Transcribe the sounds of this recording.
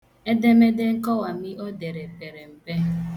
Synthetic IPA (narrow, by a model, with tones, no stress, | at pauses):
e˦de˦me˦de˦ŋ̩˦kɔ˦wa˨mi˦ʔɔ˦de˨ɾe˨pe˨ɾe˨m̩˨pe˦